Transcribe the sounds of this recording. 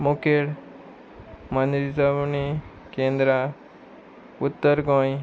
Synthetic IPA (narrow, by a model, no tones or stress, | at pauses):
mukeɽ | mənd̪ɾisəbni | kẽnd̪ɾa | ut̪ːəɾɡõj